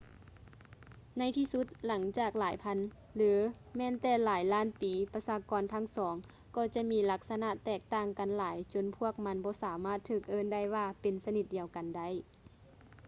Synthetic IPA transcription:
na˧˥˨jt̪ʰiː˧su˧˦˥t̪̚la˩˦ŋt͡ɕaː˨˩k̚laː˨˦jpʰa˧˥˨n | lɯː˨˦ | mɛː˧˥˨nt̪ɛː˧˩laː˨˦jlaː˧˥˨npiː˨˦pa˧saː˧kɔː˨˧˦nt̪ʰa˦˧˥ŋsɔː˩˦ŋ | kɔː˧˩t͡ɕa˧miː˧˥la˧˥k̚sa˧na˧˨t̪ːɛː˧˩k̚t̪aː˧˩˨ŋka˨nlaː˨˩˦jt͡ɕo˧˨npʰu˧˥˩ək̚ma˧˥nbɔː˧˦saː˨˩˦maː˧˥˩t̪ʰːɯː˧˩k̚ʔɤː˧˥˨nda˧˥˩jwaː˧pe˨nsa˧ni˧˩t̪̚diː˨˧˨əwka˨nda˧˥˩j

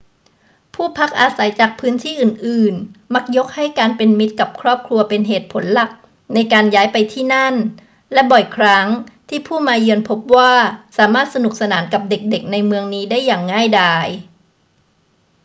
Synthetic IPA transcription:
pʰuː˥˩pʰa˦˥k̚ʔaː˧sa˩˦jt͡ɕaː˨˩k̚pʰɯː˦˥nt̪ʰiː˥˩ʔɯː˨˩nʔɯː˨˩nma˦˥k̚jo˦˥k̚ha˥˩jkaː˧npe˧nmi˦˥t̪̚ka˨˩p̚kʰɾɔː˥˩p̚kʰɾu˧ɐpe˧nɦeː˨˩t̪̚pʰo˩˦nla˨˩k̚ | na˧jkaː˧njaː˦˥jpa˧jt̪ʰiː˥˩na˥˩n | lɛ˦˥bɔ˨˩jkʰɾa˦˥ŋt̪ʰiː˥˩pʰuː˥˩maː˧jɯ˧ənpʰo˦˥p̚waː˥˩saː˩˦maː˥˩t̪̚sa˧nu˨˩k̚sa˧naː˩˦nka˨˩p̚de˨˩k̚de˨˩k̚na˧jmɯ˧əŋniː˦˥daː˥˩jːaː˨˩ŋːaː˥˩jdaː˧˩j

